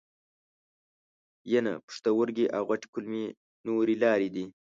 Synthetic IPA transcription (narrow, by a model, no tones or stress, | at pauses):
jena̰pʊ̥ʂt̪awʊɾɡiʔawɣaʈi̥kʊlmi | noɾilɑːɾid̪i